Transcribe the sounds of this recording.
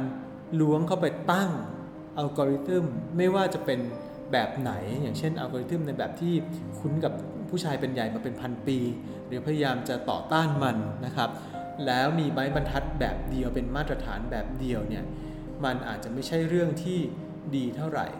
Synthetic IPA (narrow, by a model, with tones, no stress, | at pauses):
n | lu˦˥əŋkʰa˥˩wpa˧jt̪a˥˩ŋ | ʔa˧wkɔː˧ɾi˦˥t̪ɯ˥˩mːa˥˩jwaː˥˩t͡ɕa˨˩pe˧n | bɛː˨˩p̚na̰˩˦jjaː˨˩ŋt͡ɕʰe˥˩nʔa̰˧wkɔː˧ɾi˦˥t̪ɯ˥˩mna˧jbɛ̰ː˨˩p̚t̪ʰiː˥˩ | kʰu˦˥nka˨˩p̚ | pʰuː˥˩t͡ɕʰaː˧jpe˧nja˨˩jmaː˧pe˧npʰa˧npiː˧ | ɾɯː˩˦pʰa˧ja˧jaː˧mt͡ɕa˨˩t̪ɔ̰ː˨˩t̪aː˥˩nma˧nːa˦˥kʰa˦˥p̚ | lɛː˦˥wmiː˧ma˦˥jba˧nt̪ʰa˦˥t̪̚bɛ̰ː˨˩p̚di˧əwpe˧nmaː˥˩t̪̚ɾa˧t̪ʰa̰ː˩˦nbɛː˨˩p̚di˧əwni˥˩ɐ | ma˧nʔa̰ː˨˩t̪̚t͡ɕa˨˩ma˥˩jt͡ɕʰa˥˩jɾɯ˥˩əŋt̪ʰiː˥˩ | diː˧t̪ʰa˥˩wɾa̰˨˩j